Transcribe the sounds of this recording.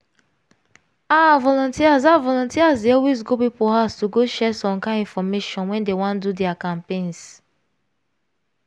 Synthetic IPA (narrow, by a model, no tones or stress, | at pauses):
avɔlɔ̃ntiasavɔlɔ̃ntiazdeɔwesɡobipɔɦastuɡoʃɛsɔ̃mkãĩnfɔmeʃɔ̃nwɛ̃ndewɔ̃ndudɛakãmpẽns